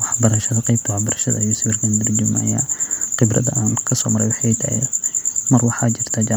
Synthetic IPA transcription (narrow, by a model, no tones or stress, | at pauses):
wɑħbɐɾɐʃɐðɐqɛjb̚t̪ʰwɑħbɐɾɐʃɐ̰ðɐ̰ɐjuːsɪwɪrkʰɐnd̪ɪrd͡ʒɪmnɐ̰ja̰ːqɪbɾɐdɐʔaːŋkʰɐsɔ̰ːmɐɾɛjwʊħjt̪ʰɐhɛ̰mɐrwɑħɑt͡ʃɪr̥t̪ʰaːd͡ʒaː